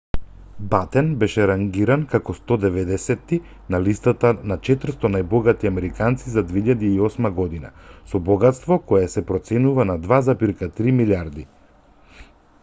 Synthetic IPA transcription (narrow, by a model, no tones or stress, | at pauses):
bat̪ɛnbɛʃɛɾaŋɡiɾankakɔst̪ɔd̪ɛvɛd̪ɛsɛt̪ːi | nalist̪at̪anat͡ʃɛt̪ɾ̩st̪ɔnajbɔɡat̪iamɛɾikant̪sizad̪vɛiʎad̪iːɔsmaɡɔd̪ina̰sɔbɔɡat̪st̪vɔkɔjasɛpɾɔt̪sɛnuvanad̪vazapiɾkat̪ɾimiliaɾd̪i